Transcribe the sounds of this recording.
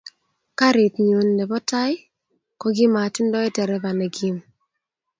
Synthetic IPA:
ka˦ɾɪ˨t̪ɲo˨nːɛ˨bɔ˦ta˦ɪ˦ | kɔ˦ɡɪ˦ma˨tɪ˦ndɔ˦ɛ˦tɛ˨ɾɛ˦ba˨nɛ˨ɡi˦m

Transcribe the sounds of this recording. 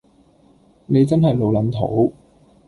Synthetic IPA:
ne˨˧jt͡sɐ˥nɦɐ˨jlo˨˧wlɐ˨˥nt̪ʰo̰˨˥w

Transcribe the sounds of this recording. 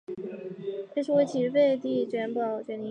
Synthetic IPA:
e˥˩ʂu˥we˥ɪt͡ɕʰi˧˥˧fe˥˧ɪt̪i˥˩t͡ɕɥɛ˧˥npɑ˨˩ʊt͡ɕɥɛ˧˥ni˧˥

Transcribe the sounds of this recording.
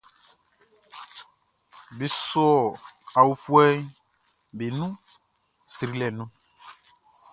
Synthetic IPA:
be˨so˦ɔ˨a˨wu˨fu˦ɛ˦ | be˨nũ˦ | si˨ɾi˦lɛ˨nũ˦

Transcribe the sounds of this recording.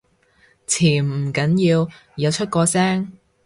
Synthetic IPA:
t͡sʰiː˨˩˨kɐ˨˥njiː˧w | jɐ˨˧wt͡ʃʰɵ˥t̚kɔː˧sɛː˥ŋ

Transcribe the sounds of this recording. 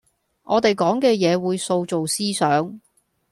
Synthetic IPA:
ʔɔː˨˧t̪e˨jkɔː˨˥ŋkɛː˧jɛː˨˧wuː˨˧jso˧wt͡so˨wsiː˥sœː˨˥ŋ

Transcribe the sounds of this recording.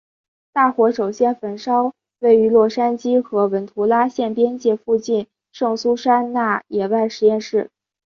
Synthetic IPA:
t̪a˥˩xwɔ˧˥ʂo˨˩ʊɕjɛ˥nfə˨˩nʂɑ˥ʊ | we˥˩ɪy˧˥lwɔ˥˩ʂa˥nt͡ɕi˥xɤ˧˥wə˧˥nt̪ʰu˧˥la˥ɕjɛ˥˩npjɛ˥nt͡ɕjɛ˥˧fu˥˧t͡ɕi˥˩˧n | ʂɤ˥˩ŋsu˥ʂa˥nna˥˩jɛ˨˩wa˥˩ɪʂɻ̩˧˥jɛ˥˧nʂɻ̩˥˩

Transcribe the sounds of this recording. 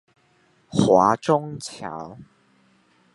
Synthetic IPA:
xwa˨˥˦ʈ͡ʂʊ˥ŋt͡ɕʰja̰˨˦w

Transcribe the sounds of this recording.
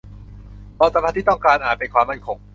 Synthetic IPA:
bɔː˧˩sa˧pʰa˧˥t̪ʰiː˥˩t̪ɔ˥˩ŋkaː˧nʔaː˨˩pe˧nkʰwaː˧mːa˥˩nkʰo˧ŋ

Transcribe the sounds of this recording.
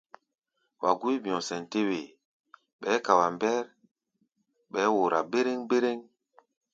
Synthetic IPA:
wʔa̰˨ɡu˦i˦bi˨ɔ̃˨sɛ˨nte˦we˨ | ɓɛː˨˦ka˨wa˨mbɛ˦ɾ | ɓɛː˨˦wo˨ɾa˨be˦ɾe˦ŋbe˦ɾe˦ŋ

